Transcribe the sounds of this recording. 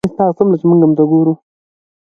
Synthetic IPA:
ist̪ɑːsamlat͡ʃemuŋɡamut̪aɡoɾu

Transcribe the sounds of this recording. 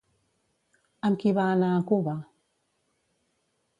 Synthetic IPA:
amkiβaːnakuβa

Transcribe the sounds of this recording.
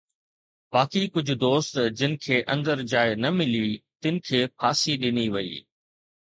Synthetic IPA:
baːkikʊd͡ʑʱʊ̆d̪oːst̪d͡ʑɪnɪ̆kʰeːʔɐ̃nd̪əɾd͡ʑaːɪnɐmɪlit̪ɪnɪ̆kʰeːpʰaːsiɗɪniʋɐḭː

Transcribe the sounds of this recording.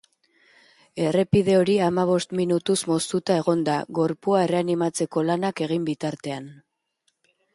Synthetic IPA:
e̞re̞piðe̞o̞ɾiamaβ̞o̞st̪minut̪usmo̞st̪ut̪ae̞ɣo̞nd̪aɣo̞ɾpuae̞re̞animat͡se̞ko̞lanake̞ɣ̞imbit̪aɾt̪e̞an

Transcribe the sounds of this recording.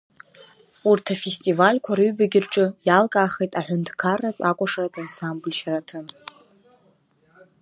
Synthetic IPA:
urtʰafe̞stʼivalʲkʷʰaɾɨɥbaɡʲɪrʈ͡ʂʼɨjalkʼaχejtʼaħʷᶣʊntʰkʰarːapʼakʷʼaʂarapʼansamblʲʃaɾatʰɨn

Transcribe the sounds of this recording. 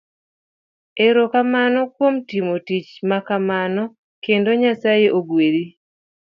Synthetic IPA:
eɾokamanɔkwomtimotit͡ʃmakamanɔ | kendoɲasajeʔoɡweɾi

